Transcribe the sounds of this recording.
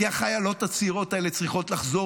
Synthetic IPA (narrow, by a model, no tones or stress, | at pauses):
aχajalo̞tat͡siːʁo̞tae̞let͡sʁiχo̞tlaχzo̞